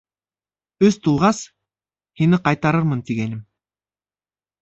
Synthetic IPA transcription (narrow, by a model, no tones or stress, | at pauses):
ɵst̪ulˠʁɑs | hinɘqɑjt̪ɑɾɤɾmɤnt̪iɡænɘm